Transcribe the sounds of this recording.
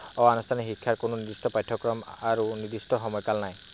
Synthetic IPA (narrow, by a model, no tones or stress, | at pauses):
ɔanustʰanixikʰːaɹkonʊnid̪istɔpajtʰːɔkɹɔmaɹunid̪istɔxɔmɔjkalnaj